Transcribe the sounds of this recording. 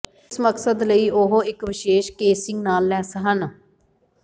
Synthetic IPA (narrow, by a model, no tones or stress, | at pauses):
sməksəd̪ləiːʔoɦoɪkʋɪʃeːʃkeːsɪŋɡnaːlːɛːsəɦən